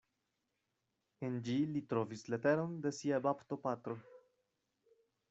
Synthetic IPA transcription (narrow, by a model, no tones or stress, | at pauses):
end͡ʒilit̪ɾo̞vislet̪eɾond̪e̞siabapt̪o̞pat̪ɾo̞